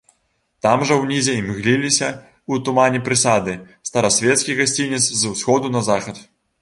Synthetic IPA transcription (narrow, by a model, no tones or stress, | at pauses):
t̪amʐɐwnʲizʲɛimɣlʲilʲisʲɐ | ut̪umanʲɛpɾɨsad̪ɨ | st̪ɐɾɐsʲvʲɛt̪skʲiɣasʲt͡sʲinʲɛt̪szwsxɔd̪unɐzaxɐt̪